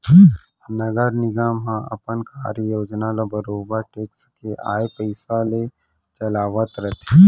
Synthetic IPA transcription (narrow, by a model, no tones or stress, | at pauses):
nɐɡəɾnɪɡaːmɦãʔɐ̰pənkʰaːɾjoːd͡ʒnalabɐɾoːbəɾʈeːksə̥keʔa̰ːepəɪsale | t͡ʃɐlaːʋət̪ɾɐt̪ʰe